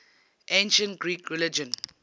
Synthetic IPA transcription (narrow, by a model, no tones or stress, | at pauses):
ʔẽnʃə̃ntɡɹiːkɹɛlɪd͡ʒə̃n